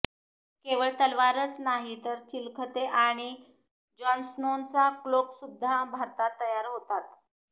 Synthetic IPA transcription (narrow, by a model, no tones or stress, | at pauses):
keʋəɭt̪əlʋaɾət͡snaɦit̪əɾt͡ɕilkʰət̪eʔaɽ̃i | d͡ʑɔnsnont͡sakloksud̪ʱːabʱat̪at̪əjaɾɦot̪at̪